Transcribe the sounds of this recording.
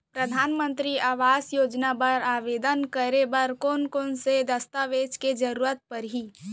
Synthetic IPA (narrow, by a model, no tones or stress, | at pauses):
pɾəd̪ʱaːnmə̃nt̪ɾiaːʋaːsjoːd͡ʒnapəɾaːʋeːd̪ənkəɾebəɾkoːnkoːnsed̪əst̪aʋeːd͡ʒked͡ʒəɾuːɾət̪̚pəɾɦi